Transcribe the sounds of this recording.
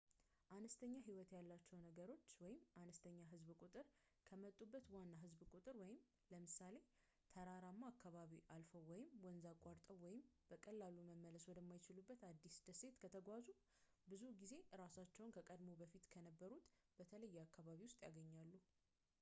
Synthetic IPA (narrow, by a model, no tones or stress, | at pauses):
ʔanəst̪ʰəɲːaɦiwɔt̪jalːat͡ʃːɛwnəɡəɾo̞t͡ʃːwɔjɪmʔanəst̪ʰəɲːaɦɨzβkʼut̪ʼɨɾ | kʰəmət̪ʼːubːət̪wanːaɦɨzbkʼut̪ʼɨɾwɔjɪm | ləmɨsale̞ | t̪ʰəɾaɾamːaakʰːaβaβiʔalfəwwɔjɪmwɔnzakʼːaɾt̪ʼəwwɔjɪmbəkʼəlːaluməmːələswɔd̪əmːajt͡ʃɪlubːət̪ad̪ːisd̪̥əse̞t̪kʰət̪ʰəɡʷazu | bɨzuɡize̞ɾasat͡ʃːɛwʊnkʰəkʼəd̪mo̞bəfit̪kʰənəbːəɾut̪bət̪ʰələjːɛakːaβaβiwʊst̪ʼjaɡəɲːalːu